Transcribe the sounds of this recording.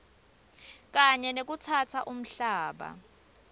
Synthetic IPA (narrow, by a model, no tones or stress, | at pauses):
k̬ʼaɲɛnek̬ut͡sʰat͡sʰaʔum̩ɬaːɓa̰